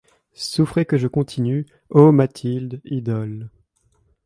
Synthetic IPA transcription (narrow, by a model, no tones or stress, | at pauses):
sufχekəʒəkɔ̃t̪ʰiny | omat̪ʰild̪id̪ɔl